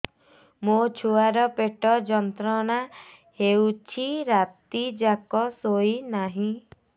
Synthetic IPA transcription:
mot͡ʃʰuaɾɔpeʈɔd͡ʒɔnt̪ɾɔna | hewt͡ʃʰiɾat̪id͡ʒakɔsoinaɦĩ

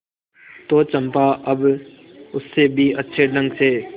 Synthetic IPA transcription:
t̪oːt͡ʃɐmpaʔɐb | ʊsːebʱiɐtːʃʰeɖə̃ŋɡseː

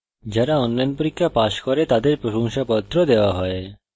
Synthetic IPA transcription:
d͡ʑaɾaɔnlajnpoɾikʰːapaʃkoɾet̪ad̪eɾpɾoʃoŋʃapɔt̪ːɾod̪eoaɦɔe

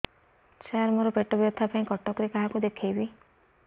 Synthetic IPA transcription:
t͡ʃaaɾmoɾɔpeʈɔbjɔt̪ʰapaĩkɔʈɔkɾekaɦakud̪ekʰejbi

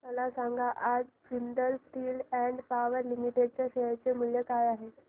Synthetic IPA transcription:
məlasãŋɡaʔad͡z | ʋind̪əlsʈiːlɛɳɖpaʋəɾlimiʈeɖ̚t͡ɕjaɕet͡semuljəkajaɦe

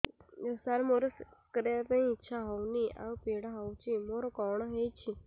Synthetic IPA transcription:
saɾmoɾokɾet̪ə̃ĩːtːʃʰaɦɔwnia̰ʋpeɽaɦɔwt͡ʃʰimoɾokɔɳ̃ɦet͡ʃʰi

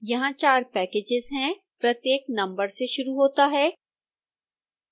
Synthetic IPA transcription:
jɐɦãt͡ʃaːɾpɛːkeːd͡ʒɪzɦɛ̃ | pɾɐt̪jeːknɐ̃mbəɾseʃʊɾuɦoːt̪aɦɛː

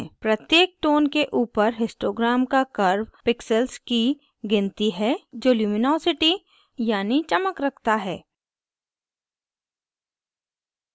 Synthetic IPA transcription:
pɾɐt̪jeːk̚ʈoːnkeʔuːpəɾɦɪsʈoːɡɾaːmkakəɾwpɪksəlski | ɡɪ̃nt̪iɦɛd͡ʒoːljuːmɪnɔːsɪʈi | jaːnit͡ʃɐməkɾɐkʰt̪aɦɛː

